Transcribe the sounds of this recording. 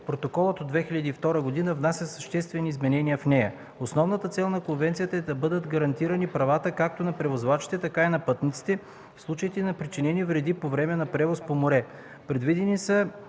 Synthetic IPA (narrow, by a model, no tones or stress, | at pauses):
pɾot̪okɔlˠət̪od̪vɛxilʲɐd̪iːft̪ɔɾəɡod̪inəvnasʲəsɐʃt̪ɛst̪vɛniːzmɛnɛniəfnɛjɐ | osnɔvnət̪ət̪sɛlˠnɐkonvɛnt̪sijət̪əɛd̪ɐbɤd̪əd̪ɡɐɾɐnt̪iɾɐnipɾɐvat̪əkak̚t̪onɐpɾɛvozvat͡ʃi̥t̪ɛt̪ɐkainɐpɤt̪nit̪si̥t̪ɛ | fslˠut͡ʃəit̪ɛnɐpɾit͡ʃinɛnivɾɛd̪ipovɾɛmɛnɐpɾɛvospomoɾɛ | pɾɛd̪vid̪ɛnisə